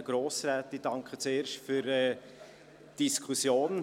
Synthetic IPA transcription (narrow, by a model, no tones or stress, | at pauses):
ɡ̥ɾoːsɾaːtid̥ɑŋkχət͡seːɾʃtfyɾɛː | d̥iskʰusjoːn